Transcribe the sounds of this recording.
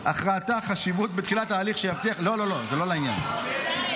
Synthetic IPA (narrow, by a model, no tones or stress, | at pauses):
ʔaχʁaːt̪aχaʃivut̪̚bet̪χilat̪aːliχʃejavt̪iaχlo̞lo̞lo̞zelo̞lainja̰n